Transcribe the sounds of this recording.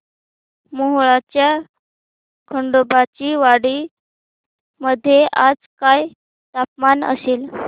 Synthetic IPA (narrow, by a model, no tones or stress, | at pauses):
moɦɭat͡ɕja | kʰəɳɖobat͡ɕiːʋaɽi | məd̪ʱːjeʔad͡zkaj | t̪apmanə̰seːl